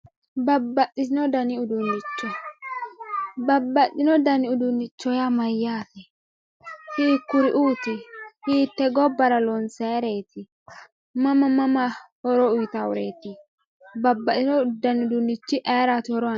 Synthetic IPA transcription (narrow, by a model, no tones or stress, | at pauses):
bɐbːɐtːɪsɪnɔd̪ɐnɪʊd̪ʊnːɪt͡ʃːɔ | bɐbːɐtːɪnɔd̪ɐnɪʊd̪ʊnːɪt͡ʃːɔjamɐjːaːt̪ɛ | hiːkːʊɾɪʔuːt̪ɪhiːt̪ːɛɡɔbːɐɾɐlɔnseɾeːt̪ɪ | mɐmɐmɐmɐhɔɾɔʊjt̪aʊɾḛːt̪ɪ | bɐbːɐʔɪnɔd̪ɐnɪʊd̪ʊnːɪt͡ʃːɪʔɛːɾat̪hɔɾɔ